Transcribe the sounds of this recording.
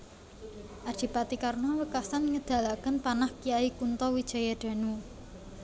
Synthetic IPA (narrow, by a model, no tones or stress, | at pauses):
ʔadʒ̥i̤pat̪ikarnɔwəkasanŋəd̪̥ä̤lakənpanahkijaikunt̪ɔwid̥ʒ̥a̤jad̪̥a̤nu